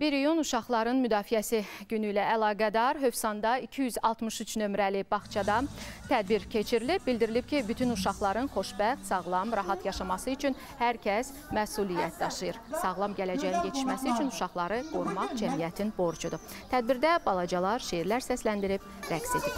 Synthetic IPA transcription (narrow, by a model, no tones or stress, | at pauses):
biɾijonuʃɑχlˠɑɾɯnmyd̪ɑːfijæsiɟynyilæːlˠɑːɡæd̪ɑɾɦø̞fsɑnd̪ɑicʰijyzɑlˠt̪mɯʃyt͡ʃnø̞mɾælibɑχt͡ʃʰɑd̪ɑt̪ʰæd̪̚biɾcʰe̞t͡ʃʰiɾilib̚bild̪iɾilip̚cʰibyt̪ʰynuʃɑχlˠɑɾɯnχo̞ʃbæχsɑʁlˠɑmɾɑɦɑt̪jɑʃɑmɑsɯyt͡ʃʰyn | hæɾcʰæs | mæsulijæt̪̚d̪ɑʃɯjɯɾsɑʁlˠɑmɟælæd͡ʒæjinje̞t̪ʰi̥ʃmæsiyt͡ʃʰynuʃɑχlˠɑɾɯɡ̥o̞ɾmɑχd͡ʒæmijæt̪ʰinbo̞ɾd͡ʒud̪u | t̪ʰæd̪̚biɾd̪æbɑlˠɑd͡ʒɑlˠɑɾʃeiɾlæɾsæslænd̪iɾib | ɾækse̞d̪ip